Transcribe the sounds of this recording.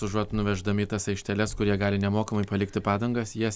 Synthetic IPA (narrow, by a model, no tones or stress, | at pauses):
ʊʒuɔt̪nʊʋʲɛʒd̪ɐmʲɪt̪ɐsɐɪʃʲt̪ʲɛlʲɛskʊɾʲiɛɡɑːlʲɪnʲɛmoːkɐmɐɪpɐlʲɪkt̪ʲɪpɑːd̪ɐŋɡɐsjiɛ